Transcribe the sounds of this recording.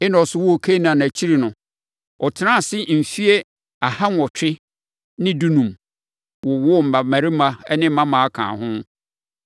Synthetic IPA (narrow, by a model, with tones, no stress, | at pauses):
ɛ˦nã˨ɔ˨sʊ˨wʊ˦o˨kʰe˦nã˨n˨æ˨t͡ɕʰi˦ɾi˨nʊ̃˨ | ɔ˨tʰɪ˨nã˦˨sɪ˦m̩˨fi˦e˦ | a˨ha˦n˦ɔ˨tʰᶣɪ˦ | nɪ̃˦du˦nũ˨m | wɔ˨wɔ˦˨m̩˨ba˨mæ̃˨ɾɪ˦mã˦ɛ̰˦nɪ̃˦m̩˦mã˦mã˨a˦kʰã̰ː˨hʊ̃˦